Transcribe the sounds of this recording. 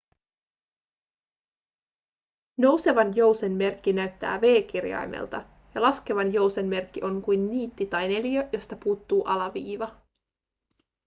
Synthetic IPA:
no̞wse̞ʋɑnjo̞wse̞nːe̞rkːinæɥt̪ːæ̰ːʋe̞ːk̟irjɑ̰jmʔḛlt̪ɑ | jɑlɑske̞ʋɑnjo̞wse̞nme̞rkːiʔo̞ŋkujnːiːt̪ːit̪ɑjne̞ljøjo̞st̪ɑpuːt̪ːuːʔɑlɑʋiːʋɑ

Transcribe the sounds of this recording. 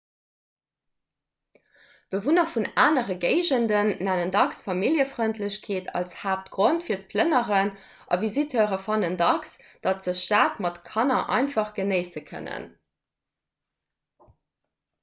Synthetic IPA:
b̥əvunəfunaːnəʁəɡeɪʑəndənːænəndɑksfɑmiljəfʁœntʰləɕkʰeːtʰɑ̰lshaːp̚tɡ̥ʁontfiːɐt̚pʰlənəʁən | ʔɑ̰vizitʰøːʁəfɑnəndɑksd̥ɑtz̥əʃtaːtmɑtkʰɑnɐʔɑ̰ɪnfɑχɡ̥ənəɪsəkʰə̰nə̰n

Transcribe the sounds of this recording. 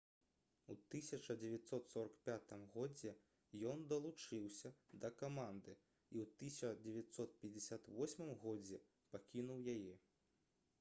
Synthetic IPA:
ut̪ɨsʲɐt͡ʂɐd͡zʲɛvʲat̪sɔt̪sɔɾɐkpʲat̪ɨmɣɔd͡zʲɛ | jɔnd̪ɐlˠut͡ʂɨwsʲɐd̪ɐkamand̪ɨ | iwt̪ɨsʲɐd͡zʲɛvʲat̪sɔt̪̚pʲɐd͡zʲɪsʲat̪vɔsʲmɨmɣɔd͡zʲɛ | pakʲinuwjajɛ

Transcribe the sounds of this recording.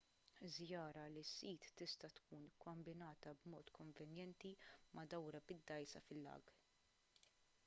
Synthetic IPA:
zjɐːɾɐlisːiːt̪ːɪst̪ɐt̪kuːnkɔmbɪnɐːt̪ɐbmɔːt̪kɔɱvɛnjɛnt̪imɐd̪ɐwɾɐbɪd̪ːɐjsɐfɪlːɐ̰ːɡ

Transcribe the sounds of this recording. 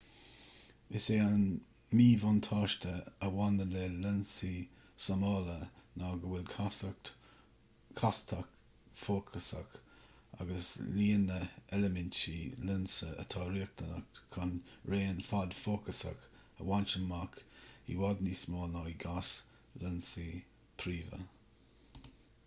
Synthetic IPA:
ɪseːan | miːvɔnt̪ʰɑːʃtəəwanəleːlənsi | samɑːlənaːɡəwɪlkʰas̚t | kʰast̪ʰak | foːkʰəsa̰k | a̰ɡəsliːnəɛləmɪntilɪnsəə̰t̪ʰɑːɾiːək̚t̪ʰənək̚tkʰanɹeːnfad̪foːkəsə̰k | ə̰want͡ʃənmakḭwad̪nismoːnaiɡas | lənsi | pʰɾiːvə̰

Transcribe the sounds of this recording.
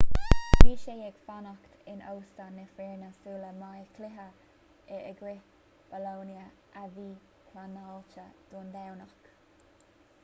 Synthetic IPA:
wiːʃejɛɡ̥fanɔkt̪ɪno̰wst̪anːəfɛɹnəsuːləmajəkʰlɪɦə | ɛəɡɾɪ | b̥əlownjə | ʔaviː | kʰlanaːlt͡ʃəd̪̥uːnd̪awnak

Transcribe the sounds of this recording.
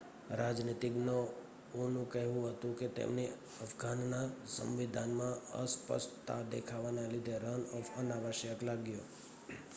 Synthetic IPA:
ɾad͡ʒnit̪iɡnoː | nũkəɦʋũɦət̪ũket̪ḛmne | əfɡʱanːasə̰̃mʋid̪ʱanmãə̰spə̰sʈt̪a̰d̪ekʰaʋanalid̪ʱeɾənɔfənaʋəʃjəklaɡjo

